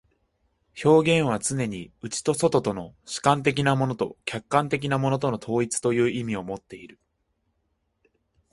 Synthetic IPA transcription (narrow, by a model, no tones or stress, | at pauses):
ço̞ːɡẽ̞ɰ̃β̞at͡sɨne̞ɲ̟iɯ̟t͡ɕi̥t̪o̞so̞t̪o̞t̪o̞no̞ɕi̥kãnt̪e̞kʲinamo̞no̞t̪o̞̰kʲakːãnt̪e̞k̬ʲinamo̞no̞t̪̬o̞no̞t̪ʰo̞ːit͡sɨ̥t̪o̞jɯ̟ːʔimʲio̞mo̞t̪ːe̞iɾɯ̟